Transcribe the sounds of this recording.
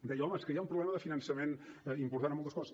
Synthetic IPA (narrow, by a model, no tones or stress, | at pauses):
d̪ɛjəɔməskəjaumpɾuβlɛməðəfinənsəmenimpuɾt̪anəmɔlˠt̪əskɔzəs